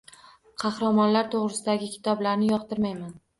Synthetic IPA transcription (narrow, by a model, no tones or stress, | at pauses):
qʰɑχɾamɒnlaɾt̪ʰoʁɾɪsɪd̪aɡʲɪkʲʰɪ̥t̪ʰɒblaɾnɪjɒqt̪ɪɾmajman